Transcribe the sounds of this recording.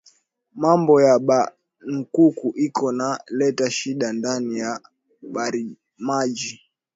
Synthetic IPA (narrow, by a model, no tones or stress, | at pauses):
mambɔjaɓa | ŋ̩kukuʔikɔnalɛtaʃiɗandanija | ɓaɾi | mad͡ʒi